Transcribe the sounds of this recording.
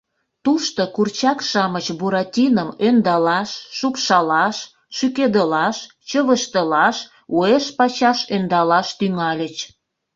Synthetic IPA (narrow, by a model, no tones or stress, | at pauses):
t̪uʃt̪okurt͡ɕɑkʃɑmət͡ɕbuɾɑtʲinəmønd̪ɑlɑʃːupʃɑlɑʃ | ʃyked̪əlɑʃ | t͡ɕəβəʃt̪əlɑʃ | ueʃpɑt͡ɕɑʃønd̪ɑlɑʃt̪yŋɑlʲət͡ɕ